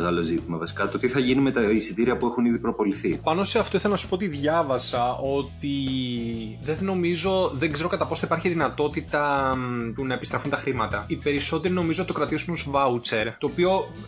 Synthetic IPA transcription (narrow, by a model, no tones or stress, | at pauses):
ɣɐlozit̪imɐvɐsi̥kɐt̪ot̪iθɐʝinime̞t̪ɐisit̪iɾiɐpuexuniðipɾopo̞liθipɐno̞se̞ɐft̪o̞iθelɐnɐsu̥pot̪iðʝɐvɐsɐo̞t̪i | ðeno̞mizo̞ðeŋɡze̞ɾo̞kɐt̪ɐpo̞sipɐɾçiðinɐt̪o̞t̪it̪ɐt̪unɐepist̪ɾɐfunt̪ɐxɾimɐt̪ɐipe̞ɾiso̞t̪e̞ɾino̞mizot̪okɾɐt̪izmusvɐut͡se̞ɾt̪o̞ːpio̞